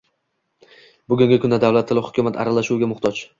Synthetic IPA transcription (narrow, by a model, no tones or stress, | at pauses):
bʊɡʲʊŋɡʲɪkʰʊnd̪ad̪awlat̪ʰːɪlɪhʊkʲʰʊmat̪ʰa̰ɾalaʃuwɡʲamʊχt̪ʰɒt͡ʃ